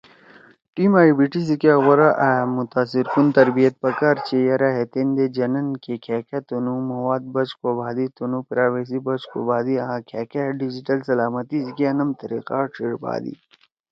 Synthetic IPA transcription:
ʈimaːibiʈizikeɣoɾaʔmut̪aːsiɾkunt̪ɐɾbijɐt̪̚pɐkaːɾt͡ʃʰejɐɾaɦet̪ind̪ed͡ʒɐnɐnkekʰeːkɛt̪unumɐwaːd̪̚bɐt͡ʃkobaːd̪it̪unũpɾaːweːs̬ibɐt͡ʃko̰baːd̪iɐãkʰɛːkeɖid͡ʑiʈɐlsɐlaːmɐt̪izikeɐnɐmt̪ɐɾḭːqaʈ͡ʂʰiɽba̰ːd̪ḭ

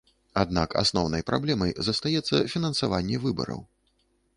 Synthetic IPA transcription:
ad̪nakʰa̰snɔwnɐjpɾʔa̰blʲɛmɐjzɐst̪ajɛt̪sːɐ̰fʲinɐnsavanʲːɛvɨbɐ̰ɾɐ̰w

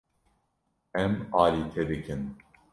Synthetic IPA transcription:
ɛmaːliːt̪ʰɛd̪ɨkʰɨn

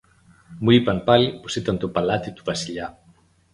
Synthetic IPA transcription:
muipanpaliposet̪ant̪opalat̪it̪upasiʎa

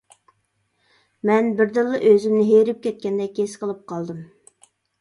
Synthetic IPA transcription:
mɛnbɪɾd̪ɨlˠːɨʔøzɪmnɪɦeɾɪp̚kʲɛt̪̚kʲɛnd̪ɛkʲʰesqʰəlˠɨp̚qʰɑlˠd̪ɨm

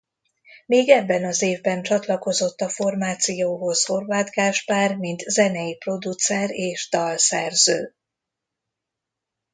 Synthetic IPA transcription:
meːɡɛbːɛnɒzeːvbɛnt͡ʃɒt̪lɒko̞zo̞t̪ːɒfo̞rmaːt̪sijoːɦo̞zho̞rvaːd̪ɡaːʃpaːrmint̪zɛnɛjipro̞d̪ut̪sɛɾeːʒd̪ɒlsɛ̰rzø̰ː

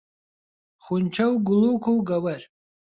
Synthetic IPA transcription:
χʊnt͡ʃʰawɡʊlukʷʰowɡawɐr

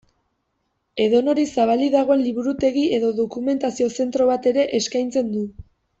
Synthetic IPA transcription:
e̞ðo̞no̞ɾisaβ̞aliðaɣ̞o̞e̞nliβuɾut̪e̞ɣie̞ðo̞ðo̞kume̞nt̪asio̞se̞nt̪ɾo̞βat̪e̞ɾe̞ʔeskajnt͡se̞nd̪u

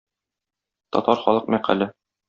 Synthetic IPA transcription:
t̪ɒ̰t̪ɑɾχɒlˠɤq̚mæqæ̰lɘ

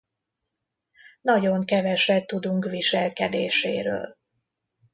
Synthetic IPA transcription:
nɒɟo̞ŋkɛvɛʃɛt̪t̪ːud̪uŋkʋiʃɛlkɛd̪eːʃeːɾø̰ːl

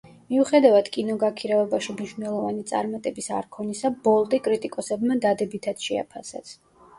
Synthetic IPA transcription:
miuχɛd̪avad̪̥kʼinɔɡakʰiɾavɛbaʃimniʃnɛlˠɔvanit̪sʼa̰ɾmat̪ʼɛbisa̰ɾkʰɔnisabɔlˠt̪ʼikʼɾit̪ʼikʼɔsɛbmad̪ad̪ɛbit̪ʰad̪ʃɛa̰pʰasɛs

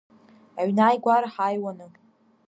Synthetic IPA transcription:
aɥnajɡʷaɾaħajwanɨ

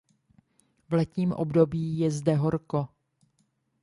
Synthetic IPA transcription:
vlɛt̪ɲiːmʔo̰bdo̞biːjɛzdɛɦo̞ɾko

